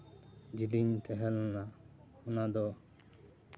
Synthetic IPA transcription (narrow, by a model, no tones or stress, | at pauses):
d͡ʒiliɲt̪ʰɛɦɛlna | unad̪ɔ